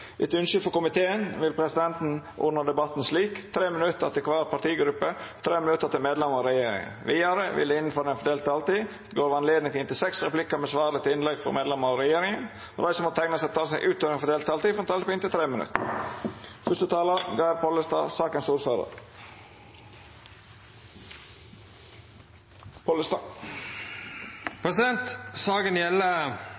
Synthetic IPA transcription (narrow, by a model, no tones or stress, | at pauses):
ʔɛt̪ʉnʃʏfɔkʊmɪt̪ʰeːənʋɪlpʰɾɛsɪd̪ɛnt̪n̩ʔʊ̰nəd̪ɛbɑt̪n̩sliːkt̪ʰɾeːmənʉt̪ːəɾɑ̰t̪ɪkʰʋɑːɾpʰɑʈ̪iːɡɾʉpːət̪ʰɾeːmɪnʉt̪ːəɾt̪ɪlmeːd̪lɛməɾɑɾɛjeːɾɪ̰ŋə̰nʋiːæɾəʋɪ̰ləɪnnfɔɾd̪ɛnfɔɖ̪eːlt̪ɑlt̪iː | t̪ɡoːɾʋɑnleːd̪nɪŋt̪ʰɪnt̪ɪlsɛksɾɛplɪkːəmɛsʋɑːɾd̪ət̪ɪnlɛɡfɔ̰ɾmeːd̪lɛməɑɾɛjeːɾɪŋən | od̪æɪsɔmɔt̪ʰæɪŋnəsɛt̪ʰɑːsæɪʔʉːt̪øːɾənfɔd̪eːlt̪ɑlt̪iːfɛnt̪ʰɑːlpʰɔeːnt̪ɪt̪ʰɾeːmənʉ̰t̪ə | fʉst̪ət̪ʰɑːləɡɑɪpʰɔləst̪ɑ̰ːsɑːkənsuːɾsɑːd̪ə̰ | pʰɔləst̪ɑː | pʰɾɛsɪd̪ɛnt̪sɑːɡənjɛlə